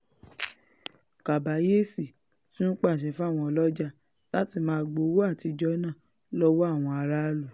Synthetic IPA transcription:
ka˨ba˨˦je˦˨si˨ | tũ˦nũ˦k͡pa˦˨ʃ̬ɛ˨fu˦a˦˨w̃ɔ̃˧ɔ˧˨lɔ˦d͡ʒa˦ | la˦ti˦˧˨mãː˦˧ɡ͡bo˨˦wo˦a˦˨ti˧d͡ʒɔ˦nãː˦˨ | lɔ˦wo˦a˦˨w̃ɔ̃˧a˧ɾa˦lu˦˨

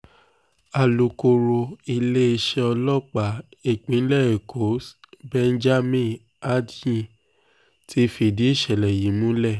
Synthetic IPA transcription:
a˨lu˨ko˧ɾo˧i˧le˦e˧ʃɛ˧ɔ˧lɔ˦˨k͡pa˨˦e˦˨k͡pĩ˨˦n˦lɛ˦˨e˨kʰo˨˦s | bɛ˦n̩˦d͡ʒa˦mĩ˦˨ | a˦djĩ˦˨ | ti˨˦fi˧˨di˨˦i˦˨ʃɛ˨lɛ˨ji˨˦mũ˦lɛ˦˨

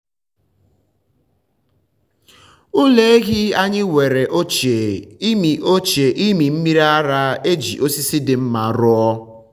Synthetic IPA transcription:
ʊ˦le˦e˦ɣɪ˦a˦ɲɪ˦wʷe˨ɾe˨ʔo˦t͡ʃe˨˦mi˨o˦t͡ʃe˨ʔi˦mi˨m̩˦mi˦ɾa˦a˦ɾa˦e˦d͡ʒḭ˨ʔo˦si˦si˦dɪ˨m̩˦ma˨ɾʊ˦ɔ˦

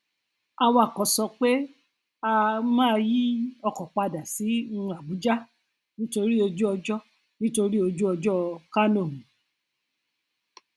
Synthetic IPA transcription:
a˧wa˧˨kɔ˨sɔ˧k͡pe˦ | a˧mãː˦˧ji˦ɔ˧kɔ˨k͡pa˧da˨si˨˦ũ˧a˨bu˨˦d͡ʒa˦ | nĩ˦to˧ɾi˦o˧d͡ʒu˦ɔ˧d͡ʒɔ˦ | nĩ˦to˧ɾi˦o˧d͡ʒu˦ɔ˧d͡ʒɔ˦˧ka˦nõ˦˨mũ˨

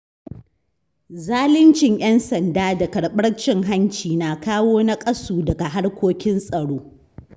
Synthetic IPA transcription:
zaː˦lɪ˦nt͡ʃɪ˨ɲj̰ɛ˦nsɐ˨ndaː˦da˨kɐ˨ɽɓɐ˦ɽt͡ʃɪ˦ŋɦa˦nt͡ʃiː˨naː˨kaː˦woː˦na˦kʼɐ˦suː˨dɐ˨ɡa˨ɦa˦ɽkʷoː˦kʲɪ˦nsʼɐ˨ɽoː˦

